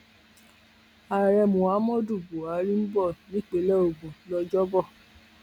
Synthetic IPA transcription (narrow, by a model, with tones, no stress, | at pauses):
a˨ɾɛ˧mũ˨a˨˦mɔ̃˦˨du˦˨bu˨a˨˦ɾĩ˦m̩˦bɔ˦˨nĩ˦k͡pe˨˦lɛ˦o˨ɡũ˨˦lɔ˧d͡ʒɔ˦bɔ˦˨